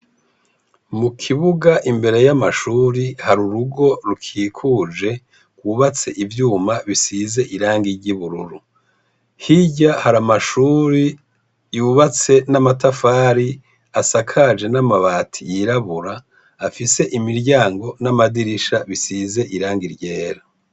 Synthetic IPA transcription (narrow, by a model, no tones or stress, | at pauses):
mukʰiβuɡaʔimbe̞ɾe̞jamaʃuːɾihaɾuɾuɡo̞ɾukʰiːkʰuːd͡ʒe̞ | kɡwuβat͡se̞ʔivjuːmaβisize̞ʔiɾaːŋɡiɾɟiβuɾuɾu | hiɟahaɾamaʃuːɾi | juβat͡se̞namatafaːɾi | asakʰad͡ʒe̞namaβatʰḭjiɾaβuɾaː | fise̞ʔimiɾɟaːŋɡo̞namadiɾiʃaβisize̞ʔiɾaːŋɡiɾɟe̞ːɾa